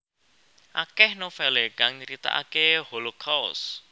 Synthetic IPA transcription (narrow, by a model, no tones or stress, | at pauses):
ʔakɛhnofɛleɡ̥aŋɲəɾit̪a̰ʔa̰keholokʰaws